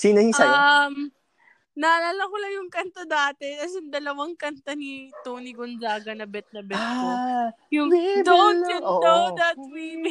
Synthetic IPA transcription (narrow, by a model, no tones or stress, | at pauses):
siːnɐhisɐjm | nalalɐkolɐjʊŋkɐnt̪od̪aːt̪ɛt̪ɐsjʊŋd̪ɐlɐwɐŋkɐnt̪ɐnit̪oːniɡond͡ʒaːɡɐnɐbɛt̪̚nɐbɛt̪ːo | jʊŋd̪ooɪod̪ɐt̪̚wiːp